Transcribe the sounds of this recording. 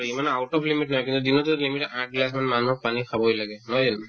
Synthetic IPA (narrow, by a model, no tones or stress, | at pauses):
aɹimanawtɔpʰlimiʈ̚nɔɦɔjkint̪ud̪inɔtulimiʈʔaʈ̚ɡlas̬manmanuɦɔpanikʰabɔjlaɡɛnɔdin